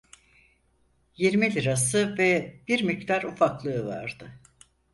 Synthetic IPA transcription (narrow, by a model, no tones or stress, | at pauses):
jiɾmilʲiɾasɯvɛb̥iɾmict̪ʰaɾufaklˠɯɯva̰ɾd̪ɯ